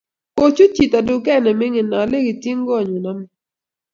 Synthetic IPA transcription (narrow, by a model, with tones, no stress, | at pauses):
ko˦t͡ʃu˦t͡ʃi˨ta˨dʊ˨kɛ˦˨nɛ˨mɪ˦ŋɪ˨nɔ˨le˦ɡɪ˨ti˦ŋ˦ɡɔ˦˨ɲo˨nɔ˦m˦